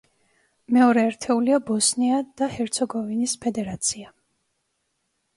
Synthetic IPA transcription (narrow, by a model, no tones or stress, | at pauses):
mɛɔɾɛːɾt̪ʰɛuliabɔsniad̪̥ahɛɾt̪sʰɔɡɔvinispʰɛd̪ɛɾat̪sʰia